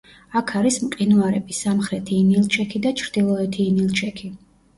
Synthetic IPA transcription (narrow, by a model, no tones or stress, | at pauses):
akʰaɾismqʼinuaɾɛbisamχɾɛt̪ʰiːnilˠt͡ʃʰɛkʰid̪at͡ʃʰɾd̪̥ilˠɔɛt̪ʰiːnilˠt͡ʃʰɛkʰi